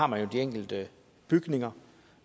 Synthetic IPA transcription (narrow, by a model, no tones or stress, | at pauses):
ɑ̈mænjo̝d̥ieŋ̰ɡ̥l̩d̥ə | b̥yɡ̥ne̝ŋɐ